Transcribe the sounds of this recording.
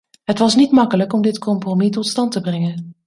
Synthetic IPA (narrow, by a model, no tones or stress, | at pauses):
ɦətʋɑsnitmɑkələkɔmdɪtkɔmpromitɔtstɑntəbrɛŋən